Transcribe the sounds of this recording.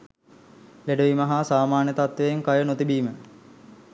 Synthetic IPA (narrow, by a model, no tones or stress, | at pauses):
leɖəʋimɐɦasaːmaːnjət̪at̪ʋejeŋkajənot̪ibiːmə